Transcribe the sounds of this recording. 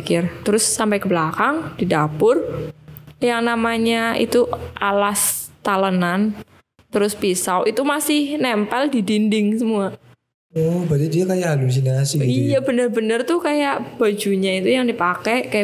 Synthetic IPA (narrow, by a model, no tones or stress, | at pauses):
kɪrt̪əɾʊsːampajkəblakaŋdidapʊr | jaŋnamaɲaḭt̪uʔalast̪alənan | t̪əɾʊspisawʔit̪umasɪhnɛmpɛldidindɪŋsəmua | ɔbat̪idiakajaalums̬inasɪijabənərbənərt̪ʊhkajaʔb̥ad͡ʒuɲait̪ujaŋdipakɛkaja